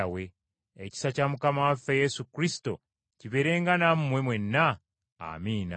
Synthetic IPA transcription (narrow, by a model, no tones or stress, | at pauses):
awe̞ | eci̥sacamukamawafːeje̞sukɾisto̞̰ | ciβe̞ɾe̞ːŋɡanamumwe̞mwe̞nːa | a̰miːna̰